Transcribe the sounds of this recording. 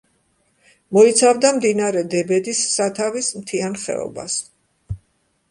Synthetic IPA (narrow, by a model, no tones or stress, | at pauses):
mɔit̪sʰavd̪amd̪inaɾɛd̪ɛbɛd̪isːat̪ʰavismt̪ʰianχɛ̰ɔ̰ba̰s